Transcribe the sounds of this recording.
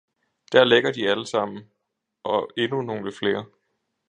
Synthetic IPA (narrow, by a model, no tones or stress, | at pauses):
d̥æɐ̰leɡ̥ɐd̥iæləsɑ̈m̰n̩ | ʔɒ̽e̝nuno̝ŋləfle̝ːɐ